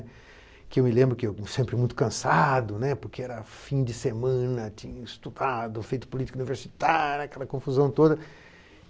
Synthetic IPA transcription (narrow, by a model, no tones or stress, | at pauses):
kɪewmɪlẽmbɾʊkɪewsẽmpɾɪmũj̃t̪ʊ̥kɐ̃sad̪ʊnɛpʊɾkeɛɾɐfĩd͡ʒ̪ɪsemɐ̃nɐt͡ʃ̪ĩɲɐist̪ud̪ad̪ʊfejt̪ʊ̥pulit͡ʃi̥kuniveɾsi̥t̪aɾjʊɐkɛlɐkõfuzɐ̃w̃t̪od̪ɐ